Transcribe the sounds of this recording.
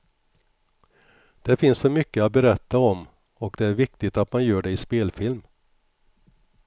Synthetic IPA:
d̪̥ɛfɪnssɔmʏkːəat̪̚bɛɾɛt̪ːaɔm | ɔkd̪ɛæɾvɪk̚t̪ɪt̪at̪manjœːɖɛɪspeːlfɪlm

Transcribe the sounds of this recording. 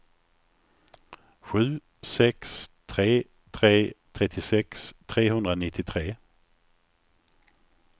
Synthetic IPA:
ɧʉ̟ː | sɛkst̪ʰɾeː | t̪ʰɾeːt̪ʰɾɛt̪ʰːɪsɛkst̪ʰɾeːhɵnd̪ɾanɪt̪ʰːɪt̪ʰɾeː

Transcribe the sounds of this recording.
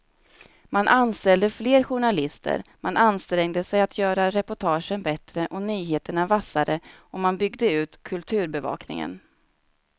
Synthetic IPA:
manʔanst̪ɛld̪əfleːɾɧʊɳalɪst̪ʰə̰ɾmanʔanst̪ɾɛŋd̪əsɛjat̪ʰjœːɾaɾɛpʊʈʰɑːʂənbɛt̪ɾəʔɔnyːɦeːt̪əɳavasːaɾəɔmanbʏɡd̪əʉ̟ːt̪kʰɵlt̪ʰʉ̟ːɾbɛvɑ̰ːknɪ̰ŋə̰n

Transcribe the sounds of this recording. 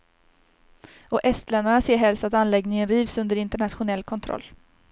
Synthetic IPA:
ɔʔɛst̪lɛnd̪aɳaseːɾɦɛlst̪at̪anlɛɡnɪŋənɾiːvsɵnd̪əɾɪnt̪əɳat̪ɧʊnɛlːkʰɔnt̪ʰɾɔ̰lː

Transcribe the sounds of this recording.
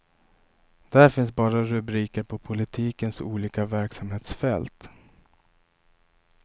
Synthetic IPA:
d̪̥ææɾfɪnsbɑːɾaɾɵbɾiːkəɾpʰɔpʰʊlɪt̪ʰiːkənsṵːliːkavæɾksamheːt̪sfɛlt̪

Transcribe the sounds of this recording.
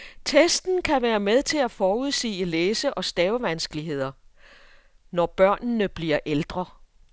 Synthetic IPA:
t͡sʰesd̥n̩kʰæʋæːɐmeðˠt͡sʰe̝læfɒːuð̞ˠsḭːəleːsəʔɒ̽sd̥ɛːʊʋænsɡ̥əliɦe̝ð̞̰ˠɐ | nɒb̥ɶɐ̰nːəb̥liɐʔeld̥ʁɐ

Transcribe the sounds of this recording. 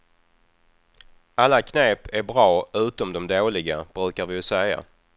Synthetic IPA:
alːakʰneːpæɾbɾɑːʔʉ̟ːt̪ɔmd̪ɔmd̪oːlɪɡab̥ɾʉ̟ːkaɾvɪsɛja̰

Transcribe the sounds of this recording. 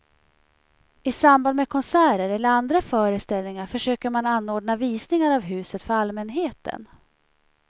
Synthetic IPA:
ɪsamband̪mɛkʰɔnsæːɾəɾɛlːəɾand̪ɾafœːɾəst̪ɛlnɪŋaɾfœʂøːkəɾmananːoːɖnaviːsnɪŋaɾavɦʉ̟ːsət̪fœɾalmɛnɦeːt̪ʰə̰n

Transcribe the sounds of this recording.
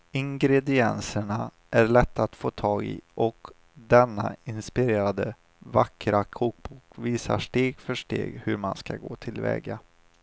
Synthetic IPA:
ɪŋɡɾɛd̪ɪɛnsəɳa | ʔæɾɭɛt̪ːat̪foːt̪ʰɑːɡɪ̰ʔɔk | d̪ɛnːaɪnspɪɾeːɾad̪ə | vakɾakʰuːk̚bukviːsa̰ʂʈeːɡfœʂʈḛːɡhɵɾmanskaɡoːt̪ʰɪlvɛ̰ːɡa

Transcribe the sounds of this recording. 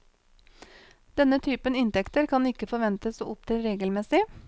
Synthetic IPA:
d̪̥ɛnət̪ʰyːpənɪnt̪ɛkt̪əɾkʰɑnɪkəfɔɾʋɛnt̪əso̰ːʊp̚t̪ʰɪlɾeːɡəlmɛsɪ

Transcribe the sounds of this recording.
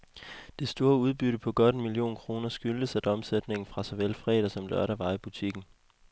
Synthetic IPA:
d̥e̝sd̥o̝ːɐuð̞ˠb̥yɾəpʰɒ̽ɡ̥ɒ̽ɾ̥enmilio̝̰ːnkʰʁo̝ːnɐsɡ̥yld̥əsæd̥ɒ̽msed̥ne̝ŋn̩fʁɑ̈sɒʋelfʁɛ̰ːdˠɐsɒ̽mlœɐ̰ɾæʋɑ̈ɪb̥ut͡sʰiɡ̥n̩

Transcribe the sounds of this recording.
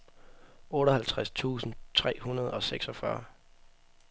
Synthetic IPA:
ʔɔ̽ːɾɒhælt͡sʰʁast͡sʰṵːsn̩t͡sʰʁɛ̰ːhunɐð̞ˠɒ̽seɡ̥sɒfɶɐ

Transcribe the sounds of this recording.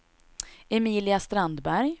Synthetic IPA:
ɛmiːlɪast̪ɾand̪bæɾj

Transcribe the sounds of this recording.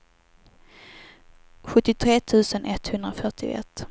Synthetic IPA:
ɧɵt̪ːɪt̪ʰɾeːt̪ʰʉ̟ːsənʔɛt̪hɵnd̪ɾafœʈɪ̰ɛ̰t̪ː

